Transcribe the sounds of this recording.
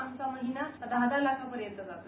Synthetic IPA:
aŋsaməd̪ʱinad̪ʱad̪alasapəɾjənt̪ːəd͡zat̪ə

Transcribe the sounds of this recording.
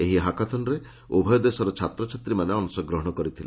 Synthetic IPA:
eɦiɦakat̪ʰɔnɔɾe | ubʱɔjɔd̪esɔɾɔt͡ʃʰat̪ɾɔt͡ʃʰat̪ɾimaneɔnusɔɡɾɔɦɔɽ̃ɔkɔɾit̪ʰila̰

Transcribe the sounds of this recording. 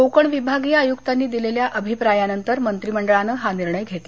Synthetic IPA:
okəɳʋibʱaɡijaːjukt̪anːiːd̪ileljaʔəbʱipɾajanənt̪əɾmənt̪ɾiːməɳɖəɭanəɦaniɾɳəjɡʱet̪le

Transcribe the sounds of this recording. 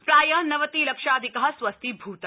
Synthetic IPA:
pɾaːjɐnɐʋɐt̪iːlɐkʃaːd̪ʱikɐɦɐsʋɐst̪ʰibʱuːt̪ɐ

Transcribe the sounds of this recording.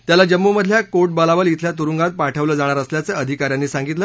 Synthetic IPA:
t̪jalad͡ʑəmːuməd̪ʱljakoʈ̚bəlaʋəlit̪ʰljat̪uɾuŋɡat̪̚paʈʰəʋləːd͡zaɽ̃aɾəsljat͡səːəd̪ʱikaɾjanːiːsaŋɡit̪ləː

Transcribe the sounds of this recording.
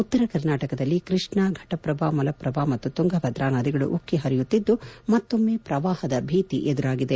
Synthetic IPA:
ut̪ːɐɾɐkɐɾnaːʈɐkɐd̪ɐlːikɾiʂɳaɡʱɐʈɐpɾɐbaːmɐlɐpɾɐbaːmɐt̪ːut̪uŋɡʱɐbʱɐd̪ɾaːnad̪iɡɐɭṵʔukːiɦɐɾijut̪ːid̪ːumɐt̪ːomːeːpɾɐʋaːhɐd̪ɐbʱiːt̪iʔed̪uɾaːɡid̪e

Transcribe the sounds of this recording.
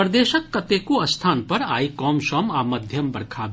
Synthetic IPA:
ɾd̪eːʃəkːɐt̪eːkuɐst̪ʰaːnpɐɾa̰ːikɔːmʃɔːmaːmɐd̪ʱjɐmbɐɽkʰaːb

